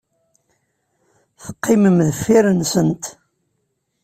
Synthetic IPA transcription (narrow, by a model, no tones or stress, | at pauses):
θə̥qːɪməmðəfːiɾənsənt̪